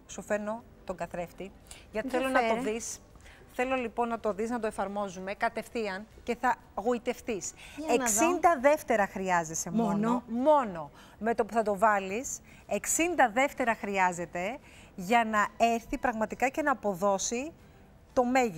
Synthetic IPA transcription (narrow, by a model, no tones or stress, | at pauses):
sufe̞no̞ | t̪o̞ɡɐθɾe̞ft̪i | ʝɐt̪iθelonɐt̪oðis | θe̞lo̞lipo̞nːɐt̪o̞ðiznɐt̪oe̞fɐɾmo̞zume̞kɐt̪e̞fθiɐnce̞θɐ | ɣo̞it̪e̞fθiseksind̪ɐðe̞ft̪e̞ɾɐxɾiɐze̞se̞mmonomo̞no̞ | me̞t̪opuθɐt̪o̞vɐlis | e̞ksind̪ɐðe̞ft̪e̞ɾɐxɾiɐze̞t̪e̞ | ʝɐnɐe̞ɾθipɾɐɣmɐt̪ikɐce̞nɐːpo̞ðo̞si | t̪o̞me̞ʝi